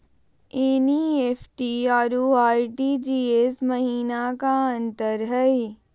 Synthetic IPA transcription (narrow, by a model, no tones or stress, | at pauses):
eːnieːfʈiaːɾuːaːɾʈid͡ʒiːesmɐɦiːnakaɐ̃nt̪əɾɦɛe